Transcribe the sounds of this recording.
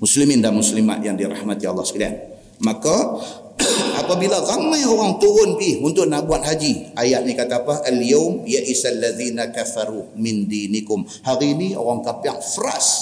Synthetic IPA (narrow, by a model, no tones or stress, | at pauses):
mʊslimɪndamuslima̰t̪̚jaŋdiɾa̰hmat̪iɑlˠːɑhsə̥kilia̰n̚ | maka | ʔapabilaɣamajoɾaŋt̪uɾʊnbɪhunt̪ʊʔnabuat̪̚ɦad͡ʒiʔajat̪̚nikat̪aːpaʔaljawmjaʔisalːaðiːnakaθaɾumɪndinikʊm | haɾinio̰ɾaŋkapiaŋfəɾa̰s